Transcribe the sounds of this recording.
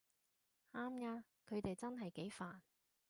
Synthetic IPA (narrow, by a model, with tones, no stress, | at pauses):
ʔaː˥mjaː˥ | kʰɵ˨˧ɥt̪e˨jt͡sɐ˥nɦɐ˨jke˨˥jfaː˨n